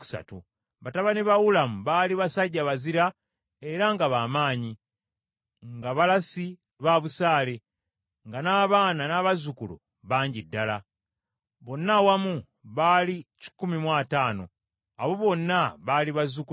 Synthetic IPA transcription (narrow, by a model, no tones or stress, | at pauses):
ku̥sa̰tu | βataβaniβawulamuβaːliβasaɟːaβaziɾa | e̞ɾaŋɡaβaːmaːɲi | ŋɡaβalasi | βaβusaːle̞ | ŋɡanaːβaːnanaβazukulṵ | βaːɲɟidːala | βo̞nːawamu | βalici̥kːumimwaːtaːno̞̰ | aβo̞βo̞nːaβaliβazuk